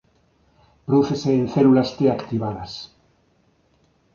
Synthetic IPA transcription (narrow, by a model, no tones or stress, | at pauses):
pɾðuθeseːnθelulast̪eakt̪iβaðas